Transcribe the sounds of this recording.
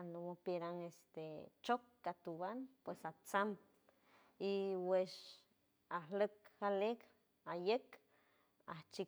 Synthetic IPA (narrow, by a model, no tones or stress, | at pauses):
anomopeɾaŋest̪et͡ʃokːat̪uwanpwesat͡sam | iweʃ | ahləkxalek | ajek | aht͡ʃi